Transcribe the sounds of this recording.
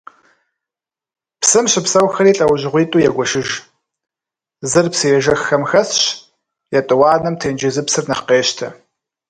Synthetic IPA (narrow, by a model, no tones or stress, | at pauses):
psɨmɕɪpsɐwxɐɾiːɬʼɐwʑɪʁʷiːtʼuːjɛɡʷɔʃɪʒ | zɨrpsɨjɛʒɐxɐmxɐsɕ | jɛtʼɨwɑːnɐmtʰeːnd͡ʒɪzɨpsɨrnɐqeːʃtʰɐ